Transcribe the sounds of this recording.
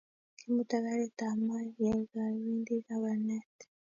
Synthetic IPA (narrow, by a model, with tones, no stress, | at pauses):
ki˦muta˦ka˦ɾe˦t̪a˨ma˦ja˨ɡa˨βiː˦ndika˦βa˨ɾnet